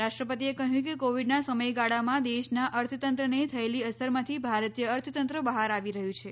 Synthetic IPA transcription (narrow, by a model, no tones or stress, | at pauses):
ɾaʃʈɾəpət̪iekəɦjũkekoʋiɖnasəməjɡaɽamãd̪eʃnaʔəɾt̪ʰət̪ənt̪ɾənet̪ʰəeliəsəɾmãt̪ʰibʱaɾət̪ijəːɾt̪ʰət̪ənt̪ɾəbəɦaɾaʋiɾəɦjũt͡ʃʰe